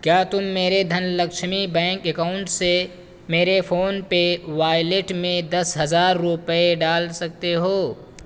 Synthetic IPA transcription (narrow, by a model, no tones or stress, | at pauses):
kjaːt̪ʊmːeːɾed̪ʱɐnlɐkʃmibɛ̃ːŋkekaːʊɳʈse | meːɾefʰoːnpeʋaːɪleʈmẽd̪ɐsɦɐzaːɾːʊpəeɖaːlsɐk̚t̪eɦoː